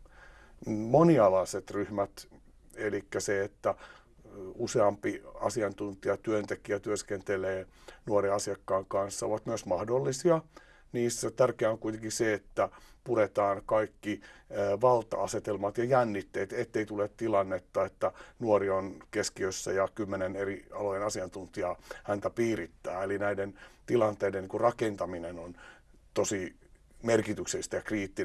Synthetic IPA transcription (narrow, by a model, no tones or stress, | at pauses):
moniɑlɑːset̪ryhmæt̪ | elikːæseet̪ːæ | useɑmpiɑ̰siɑnt̪unt̪iɑt̪yønt̪ekiæt̪yøskent̪eleːnuoreɑsiɑkːɑːŋkɑnsːɑoʋɑt̪myøsmɑhdolːisiɑ | niːsːæt̪ærkeæoŋkuit̪eŋkiseet̪ːæpuɾet̪ɑːnkɑikːiːʋɑlt̪ɑ̰ɑset̪elmɑt̪jɑjænːit̪ːeːt̪et̪ːeit̪ulet̪t̪ilɑnːet̪ːɑet̪ːænuorionkeskiøsːæjɑkymːeneneriɑlojenɑsiɑnt̪unt̪iɑhænt̪æpiːrit̪ːæ̰ːelinæident̪ilɑnt̪eidenːiːŋkurrɑkent̪ɑminenon | t̪osi | merkit̪ykselːˑist̪æjɑkriːt̪ːi